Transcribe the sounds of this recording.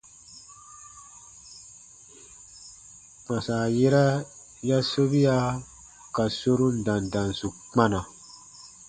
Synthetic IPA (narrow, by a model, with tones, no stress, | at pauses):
k͡pã˨saː˨je˦ɾɛ˦ | ja˦so˦βi˦a˦ | ka˨so˦ɾu˦n̩˨dã˨n˨dã˨n˨su˨k͡pa˦nã˨